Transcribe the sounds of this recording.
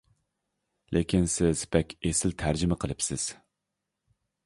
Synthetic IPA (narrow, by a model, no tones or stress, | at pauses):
lʔekʲʰinsɪz̥pʰɛkʲesɪlt̪ʰæɾd͡ʒɪmɛqʰəlˠɨpsɪz̥